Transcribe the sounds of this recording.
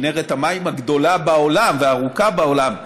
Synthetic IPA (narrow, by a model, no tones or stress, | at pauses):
neʁet̪hamaimhaɡd̪o̞labao̞lamveaːʁukabaolam